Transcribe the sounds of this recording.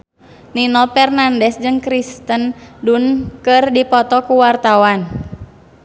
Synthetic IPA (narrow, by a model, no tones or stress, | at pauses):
ninɔpɛrnandɛsd͡ʒɨŋkɾist̪əndunkɨrdipɔt̪ɔkuwart̪awan